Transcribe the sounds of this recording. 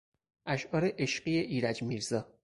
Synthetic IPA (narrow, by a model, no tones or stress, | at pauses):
ʔæʃʔɒːɾeʔeʃɢiːeʔiːɾæd͡ʒmiːɾzɒː